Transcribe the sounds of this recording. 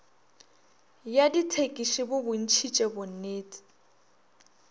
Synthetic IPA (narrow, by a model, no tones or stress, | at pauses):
jaditʰekʼiʃɪbʊbʊn̩t͡ʃʰit͡ʃʼɛbʊn̩neːt͡sʼi̥